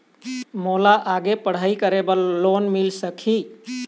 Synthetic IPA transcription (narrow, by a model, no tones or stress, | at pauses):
molaʔaɡepəɽ̤əikəɾebəlonmilsəkʰi